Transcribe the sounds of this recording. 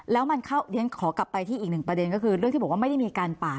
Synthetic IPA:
lɛː˦˥wma˧nkʰa˥˩wje˦˥nkʰɔː˩˦kla˨˩pːa˧jt̪ʰiː˥˩ʔiː˨˩k̚nɯ˨˩ŋpɾa˧de˧nkɔ˥˩kʰɯ˧ɾɯ˥˩ŋt̪ʰiː˥˩ɔ˨˩kwaː˥ma˥˩jda˥˩jmiː˧kaː˧npaː˨˩

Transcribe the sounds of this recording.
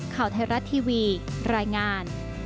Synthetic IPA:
kʰa˨˩wt̪ʰa˧jɾa˦˥t̪ʰːiː˧wiː˧ | ɾaː˧jŋaː˧n

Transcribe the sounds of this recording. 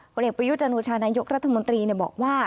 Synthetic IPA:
o˧nʔe˨˩pɾa˧ju˦˥t̪̚t͡ɕa˧noː˧t͡ɕʰaː˧naː˧jo˦˥k̚ɾa˦˥t̪ʰːa˧mo˧nt̪ɾiː˧ni˥˩bɔ̰ː˨˩k̚waː˥˩

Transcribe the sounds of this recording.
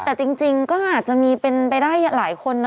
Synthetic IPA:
t̪ɛː˨˩t͡ɕi˧ŋt͡ɕi˧ŋkɔː˥˩ʔaː˨˩t̪̚t͡ɕa˨˩ʔmiː˧pe˧npa˧jdaː˥˩jlaː˩˦jkʰo˧nː˦

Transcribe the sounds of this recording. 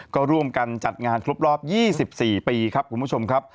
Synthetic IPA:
kɔː˥˩ɾu˥˩əmka˧nt͡ɕa˨˩t̪̚ŋaː˧nkʰɾu˦˥p̚ɾɔː˥˩p̚jiː˥˩si˨˩p̚siː˨˩piː˧kʰa˦˥p̚ku˧mʰ˦u˥˩t͡ɕʰo˧mkʰa˦˥p̚

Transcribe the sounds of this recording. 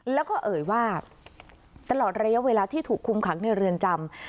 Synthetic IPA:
lɛː˦˥wkɔː˥˩ʔɤː˨˩jwaː˥˩ | t̪a˧lɔː˨˩t̪̚ɾa˧ja˦˥ʔweː˧laː˧t̪ʰiː˥˩t̪ʰuː˨˩kʰːu˧mkʰa˩˦k̚ni˥˩əɾɯ˧ənt͡ɕa˧m

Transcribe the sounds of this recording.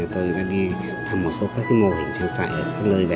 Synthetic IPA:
t̪o˧jɗa̰ː˧˥ɗi˧ | t̪ʰa˧mːo˨˩t̚so˨˦kaː˦˥k̚ːa˨˦mo˧˩hï˨˩ŋ̟sə˧ŋsa̰ː˧˨ʔəː˧˩kaː˦˥k̚ləː˧jva˧˨˩

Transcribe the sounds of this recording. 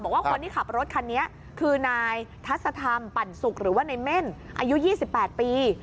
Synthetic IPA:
bɔː˨˩k̚waː˥˩ko˧nt̪i˥˩kʰa˨˩p̚ɾo˦˥t̪̚kʰa˧nːi˦˥ɐʔ | kʰɯː˧naː˧jt̪ʰa˦˥t̪̚sa˧t̪ʰa˧mpa˨˩nsu˨˩k̚ɾɯː˩˦waː˥˩na˧jme˥˩nʔa̰˧ju˦˥jiː˥˩si˨˩pːɛː˨˩t̪̚piː˧

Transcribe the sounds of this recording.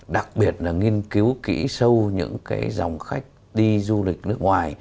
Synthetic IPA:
ɗa˨˩k̚ɓi˨˩ət̚laː˨˩ŋi˧ənki˨˦wkḭ˧˥sə˧wɲɨ̰˧˥ŋkaː˨˦jza̰˨˩wŋ͡mxa˦˥jk̚ | ɗi˧zu˧lï˨˩k̟̚nɨ˦˥ək̚ŋwaː˨˩j

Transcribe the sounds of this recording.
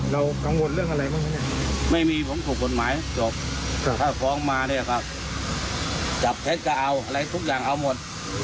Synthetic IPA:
ɾa˧wka˧˦ŋwo˧nlɯ˥˩əŋʔa˧ɾa˧jma˧˥˩ŋa˧˦nɲa˧˥˩ma˥˩jmiː˧pʰo˨˦mt̪ʰuː˨˩k̚ːo˨˩t̪̚maː˨˦jt͡ɕɔː˨˩p̚k̪ʰaː˥˩kʰɔː˨˦ŋmaː˧ni˧˩ɐkʰa˧˩p̚ | t͡ɕa˨˩p̚tʰe˦˥t̪̚ka˧˩ʔa˧wʔa˧ɾa˧jt̪ʰu˦˥k̚jaː˨˩ŋʔa˧wmo˨˩t̪̚

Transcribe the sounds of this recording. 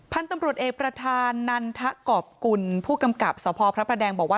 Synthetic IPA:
pʰa˧nt̪a˧mɾu˨˩ət̪̚ʔeː˨˩kpɾa˧t̪ʰaː˧nːa˧nt̪ʰa˦˥ʔkɔː˨˩p̚ku˧npʰuː˥˩ka˧mka˨˩p̚sɔː˩˦pʰɔː˧pʰɾa˦˥pʰɾa˧dɛː˧ŋbɔː˨˩k̚waː˥˩

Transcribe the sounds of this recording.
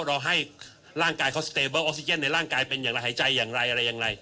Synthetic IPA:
ɾɔː˧ŋɦa˥˩j | ɾaː˥˩ŋkaː˧jkʰa˦˥˩st̪eː˧bɤː˥˩˨ʔo˦˥si˧t͡ɕe˥˩nːa˧jɾaː˥˩ŋkaː˧jpe˧njaː˨˩ŋɾa˧jɦaː˩˦jt͡ɕa˧jːaː˨˩ŋɾa˧jʔa˧ɾa˧jːaː˨˩ɾa˧j

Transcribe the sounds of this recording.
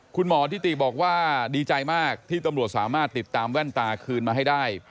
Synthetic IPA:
kʰu˧nmɔː˩˦t̪ʰiː˥˩t̪i˨˩bɔː˨˩k̚waː˥˩diː˧t͡ɕa˧jmaː˥˩k̚t̪ʰiː˥˩t̪a˧mɾu˨˩t̪̚saː˩˦maː˥˩t̪ːi˨˩t̪ːaː˧mwɛ˥˩nt̪aː˧kʰɯː˧nmaː˧ɦa˥˩jdaː˥˩j

